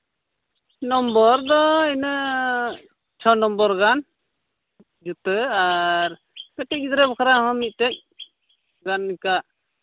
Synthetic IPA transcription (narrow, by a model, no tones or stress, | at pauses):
nɔmbɔɾd̪ɔinə | t͡ʃʰɔnɔmbɔɾɡan | d͡ʒut̪əaɾ | kɛʈic̚id̪ɾɛbɔkʰɾaɦɔmit̪̚ˀt̪ɛc̚ | ɡanːikaʔ